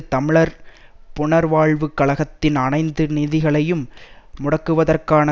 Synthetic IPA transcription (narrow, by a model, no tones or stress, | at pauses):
t̪ɐmɪɭɐɾpʊɳɐɾʋaːɭʋɯkːɐɭɐɣɐt̪ːɪnɐɳɐɪnd̪ɯniːðɪɣɐɭɐjɯmː | ʊɽɐkːɯʋɐðɐrkaːnɐ